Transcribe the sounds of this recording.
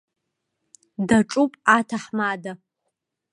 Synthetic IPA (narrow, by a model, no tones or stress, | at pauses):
daʈ͡ʂʼupʼatʰaħmada